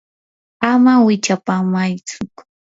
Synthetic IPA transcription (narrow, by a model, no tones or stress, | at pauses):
amawɪt͡ʃapamajt͡sʊ